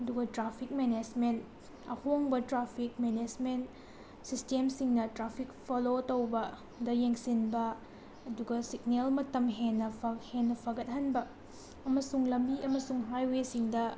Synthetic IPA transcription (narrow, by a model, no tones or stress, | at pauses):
ɐduɡɐtɾapʰik̚mened͡ʒment | ɐ̰hoŋbɐtɾapʰik̚mened͡ʒment | sistemsiŋnɐtɾapʰik̚pʰolotowbɐ | dɐjeŋsinbɐ | ɐduɡɐsiknelmɐtɐmɦenːɐpʰɐhenːɐpʰɐɡɐt̚ɦɐnbɐ | ɐmɐsuŋlɐmbiʔɐmɐsuŋɦajwesiŋdɐ